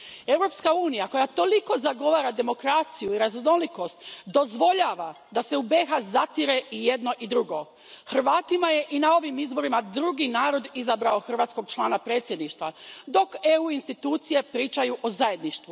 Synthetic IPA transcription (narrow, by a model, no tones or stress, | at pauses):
e̞wɾo̞ːpskauːnijako̞jat̪o̞liko̞zaɡo̞ʋaːɾad̪e̞mo̞kɾat̪sijuiɾazno̞liko̞st̪d̪o̞zʋo̞ʎaːʋa | d̪ase̞ube̞ːxazat̪iɾe̞ije̞d̪no̞ʔid̪ɾuɡo̞ | xr̩ʋaːt̪imaje̞ʔinao̞ʋimizbo̞ɾimad̪ɾuɡinaːɾo̞d̪izabɾaoxr̩ʋaːt̪sko̞ɡ̚t͡ʃlˠaːnapɾe̞ːt̪sje̞d̪niʃt̪ʋad̪o̞keuːinst̪it̪uːt̪sije̞pɾiːt͡ʃajuʔozaje̞d̪niʃt̪ʋu